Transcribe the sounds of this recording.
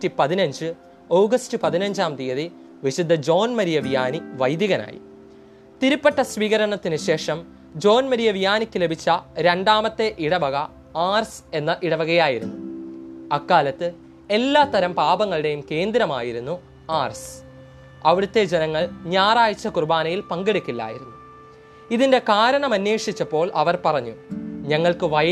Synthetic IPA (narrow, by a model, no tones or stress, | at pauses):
tːipɐðinɐɲd͡ʑɨ | oːɡɐstɨpɐðinɐɲd͡ʑaːmt̪ijɐði | ʋiɕid̪ːɐd͡ʑo̞ːnmɐɾijɐʋijaːniʋɐjd̪jiɐɣɐna̰ːjḭ | t̪iɾupːeʈːɐsʋiːɣɐɾɐɳɐt̪ːinɨɕe̞ːʂɐm | d͡ʑo̞ːnmɐɾijɐʋijaːnikʲːɨle̞bʱit͡ɕːɐɾenɖaːmɐt̪ːe̞ʔiɽɐbɐɣɐ | aːrse̞nːɐʔiɽɐbɐɣɐjaːjiɾṵnːu | ɐkːaːlɐt̪ːɨ | e̞lːaːt̪ːɐɾɐmpaːbɐŋːɐɭiɽe̞jumke̞ːnd̪ɾɐmaːjiɾunːu | aːrs | ɐʋiɽut̪ːe̞d͡ʑenɐŋːɐɭɲaːraːjit͡ɕːɐkurbaːnɐjilpɐŋɡeɽikʲːilːa̰ːjḭɾunːu | iðinde̞kaːɾɐɳɐmɐnjeːʂit͡ɕːɐpːo̞ːɭʔɐʋɐrpɐrɐɲːuɲɐŋːɐɭkɨʋɐ